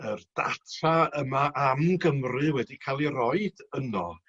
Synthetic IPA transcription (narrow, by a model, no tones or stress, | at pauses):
ərd̥a̰tʰaəmaʔamɡəmrɨwɛdikʰalˠirɔɨd̥ənɔ